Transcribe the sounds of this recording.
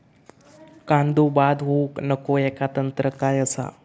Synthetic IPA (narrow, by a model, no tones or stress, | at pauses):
kãnd̪ubad̪ɦoknəkoɛkat̪ənt̪ɾəkajəsa̰